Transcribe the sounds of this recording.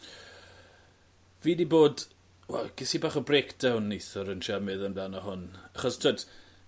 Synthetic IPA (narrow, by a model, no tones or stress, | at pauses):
viːniboːd | wɛ̰lɡ̥ɪsibaːχɔbrekʰd̥awnːejθɔɾənʃamɨðənblanaɦʊnaχɔstʰwoːd